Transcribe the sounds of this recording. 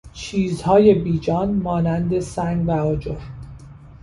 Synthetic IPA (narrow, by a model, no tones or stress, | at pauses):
t͡ʃʰiːzhɒːje̞biːd͡ʒɒːnmɒːnænd̪e̞sæŋɡvæɒːd͡ʒoɾ